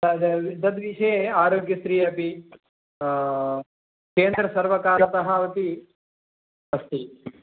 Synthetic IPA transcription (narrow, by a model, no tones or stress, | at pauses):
ɐʋid̪ɐd̪ʋiʃɐjeaːɾoːɡjɐst̪ɾiːɐpi | keːnd̪ɾɐsɐɾʋɐkaːɾɐt̪ɐɦɐʋɐt̪i | ɐst̪i